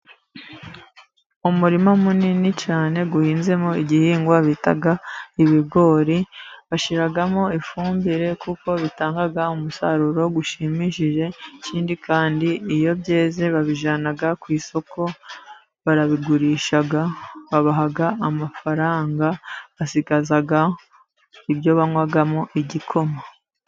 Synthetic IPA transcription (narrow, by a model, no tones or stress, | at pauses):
umuɾimomuninit͡ʃaːne̞ɡuhiːnze̞mo̞iɟihiːŋɡwaβita̰ɡaiβiɡo̞ːɾiβaʃiɾaɡamo̞ifuːmbiɾe̞kuko̞βitaːŋɡaɡaumusaɾuɾo̞ɡuʃimiʃiʒe̞ciːndikaːndiːjo̞βje̞ːze̞βaβiʒanaɡakwiːso̞kʰo̞ | βaɾaβiɡuɾiːʃaɡaβaβaɦaɡaamafaɾaːŋɡaβasiɡazaɡa | iβjo̞βaŋwaɡamoʔiɟikʰo̞ma